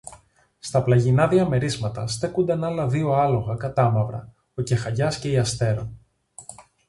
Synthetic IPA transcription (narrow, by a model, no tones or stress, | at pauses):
st̪ɐplɐʝinɐðiɐme̞ɾizmɐt̪ɐst̪e̞kund̪ɐnɐlɐðio̞ɐlo̞ɣɐkɐt̪ɐmɐvɾɐ̰ | oce̞xɐʎɐsce̞iɐst̪e̞ɾo